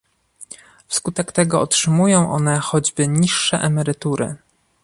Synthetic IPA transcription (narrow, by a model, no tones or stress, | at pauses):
fskut̪ɛkt̪ɛɡɔɔtʂɘmujɔ̃w̃ʔɔn̪ɛxɔd͡ʑbɘɲiʂːɛʔɛmɛɾɘt̪uɾɘ̰